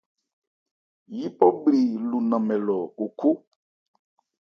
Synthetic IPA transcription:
ji˦pɔ˦bli˨lu˨nã˨mɛ̃˨lɔ˨u˨kʰu˦

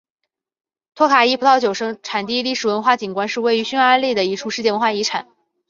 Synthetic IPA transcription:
t̪ʰɔ˥kʰa˨˩i˥pʰu˧˥ɑ˥˩ʊt͡ɕjo˨˩ʊʂɤ˥ŋʈ͡ʂʰa˨˩nt̪i˥˧li˥˩ʂɻ̩˨˩wə˧˥nxwa˥˩t͡ɕi˨˩nkwa˥nʂɻ̩˥˧we˥˩ɪy˧˥ɕy˥na˧˥li˥˩d̪ə˩i˧˥ʈ͡ʂʰu˧˥ʂɻ̩˥˧t͡ɕjɛ˥˩wə˧˥nxwa˥˩i˧˥ʈ͡ʂʰa˨˩˦

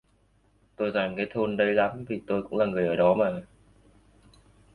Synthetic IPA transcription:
t̪o˧jzaː˨˩ŋkaː˨˦jt̪ʰo˧nɗə˨˧jla˨˦mvi˨˩t̪o˧jkʊ̰˧˥ŋ͡mlaː˨˩ŋɨ˨˩əjʔəː˧˩ɗɔ˨˦maː˨˩

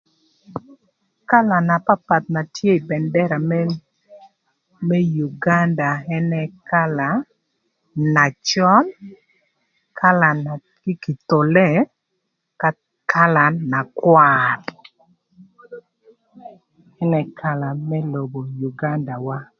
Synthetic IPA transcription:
ka˦la˨na˨pa˦pa˨t̪̚na˨tʰje˦i˨bɛ˨ndɛ˦ɾa˨m | mɛ˦ju˨ɡa˦nda˨ɛ˦nɛ˨ka˦la˨ | na˨t͡ʃɔ˦n | kʰa˦la˨na˨ | ɡɪ˦ki˨t̪o˨lɛ˦˨ | ka˦ | kʰa˦la˨na˨kwar | ɛ˦nɛ˨kʰa˦la˨mɛ˦lo˨bo˨ju˨ɡa˦nda˨wa˦

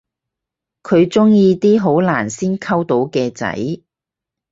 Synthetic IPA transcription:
kʰɵ˨˧ɥt͡sʊ˥ŋjiː˧t̪iː˥ɦo˨˥wlaː˨˩nsiː˥nkʰɐ˥wt̪o˨˥wkɛː˧t͡sɐ̰˨˥j

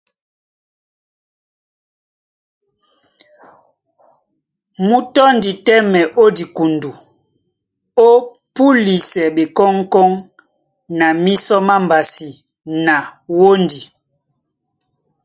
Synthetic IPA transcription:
mu˦tɔ˦ndi˨tɛ˦mɛ˨ʔo˦di˨ku˨ndu˨ | o˦ | pu˦li˨sɛ˨ɓe˨kɔ˦ŋ˦kɔ˦ŋ | na˨mi˦sɔ˦ma˦mba˨si˨ | na˨wo˦ndi˨

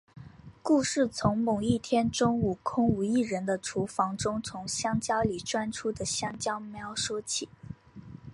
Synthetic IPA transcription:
ku˥˧ʂɻ̩˥˩t͡sʰʊ˧˥ŋmʊ˨˩ŋi˥˩t̪ʰjɛ˥nʈ͡ʂʊ˥ŋu˨˩kʰʊ˥ŋu˨˩i˥˩ɻə˧˥nd̪ə˧ʈ͡ʂʰu˧˥fɑ˧˥ŋʈ͡ʂʊ˥ŋt͡sʰʊ˧˥ŋɕjɑ˥ŋt͡ɕjɑ˥ʊli˨˩ʈ͡ʂwa˥nʈ͡ʂʰu˥d̪ə˨ɕjɑ˥ŋt͡ɕjɑ˥ʊme˧˥ɪjɑ˨˩ʊʂwɔ˥t͡ɕʰi˨˩˦

